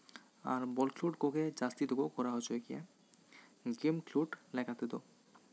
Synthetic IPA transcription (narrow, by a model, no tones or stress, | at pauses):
a̰ɾbɔlkluʈkoked͡ʑast̪id̪oɡokɔɾaɦot͡ɕʰoekia̰ | ɡimkluʈlɛkʰat̪ed̪o